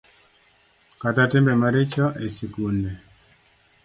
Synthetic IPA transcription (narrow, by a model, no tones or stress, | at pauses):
katatɪmbɛmaɾɪt͡ʃɔʔesikunde